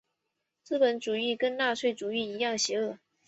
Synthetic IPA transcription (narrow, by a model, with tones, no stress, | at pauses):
t͡sɹ̩˥˩pə˧˥nʈ͡ʂu˨˩y˥˩kə˥nna˥˧ʂʰwe˥˩ɪʈ͡ʂu˨˩y˥˩i˧˥jɑ˥˩ŋɕjɛ˧˥ɤ˥˩